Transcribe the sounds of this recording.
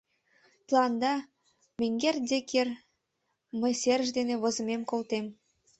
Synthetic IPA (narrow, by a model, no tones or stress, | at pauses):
t̪lˠɑnd̪ɑ | mĕŋɡerd̪ʲeker | məjserʒd̪enĕβŏzə̆memkolt̪em